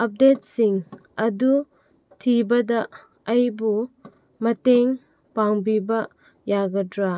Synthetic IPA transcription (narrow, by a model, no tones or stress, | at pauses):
ɐp̚det̚siŋ | ɐdu | tʰibɐdɐː | jbu | mɐteŋ | paŋbibɐ | jaɡɐdɾa